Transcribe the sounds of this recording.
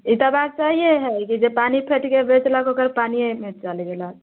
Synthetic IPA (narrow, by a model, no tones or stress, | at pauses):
it̪abat̪̚t͡ʃaɦieɦɛkid͡ʒepanipʰeʈkebet͡ʃlakokəɾpaniemet͡ʃalɡela